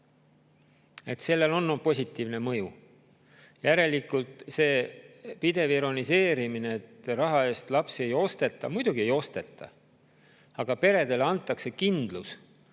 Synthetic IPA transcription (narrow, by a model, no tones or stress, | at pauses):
e̞t̪se̞lːe̞lo̞nːopo̞s̬ʲit̪ːˑiːvnemɤju | jæɾe̞likːˑult̪ˑse̞ːpid̪e̞viɾo̞nise̞ːɾimineet̪ːrɑɦɑe̞ːst̪lɑpsie̞jo̞st̪e̞t̪ːˑɑmujd̪̥uɡ̥ie̞jo̞st̪e̞t̪ːˑɑ̰ | ɑɡ̥ɑpe̞ɾe̞d̪e̞leɑnt̪ˑːɑkse̞kind̪̥lus